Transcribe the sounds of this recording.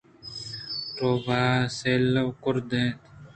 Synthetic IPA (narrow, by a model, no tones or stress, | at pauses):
ɾoːbaːseːlɐwkʊɾd̪ẽːt̪